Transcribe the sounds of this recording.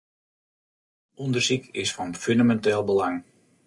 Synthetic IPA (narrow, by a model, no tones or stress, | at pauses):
ɔndərsikʰɪsfɔnfyndamɛntɛːlˠbəlaŋ